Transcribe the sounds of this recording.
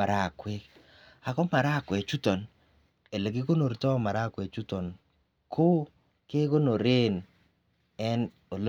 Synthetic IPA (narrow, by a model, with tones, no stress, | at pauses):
a˨ɾa˦˨kwɛ˦k | a˨kɔ˦ma˨ɾa˦˨kwɛ˨t͡ʃu˦tɔ˨n | e˨le˨ki˦ko˦no˨ɾtɔ˦ma˨ɾa˦kwɛ˨t͡ʃu˦tɔ˨n | kʰʊ˦ | ke˦ko˦no˨ɾe˦n | ɛ˦n | o˨l